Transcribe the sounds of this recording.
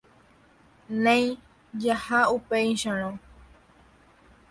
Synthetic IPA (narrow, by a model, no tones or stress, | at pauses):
nẽj̃ | d͡ʒahaupejʃaɾ̃õ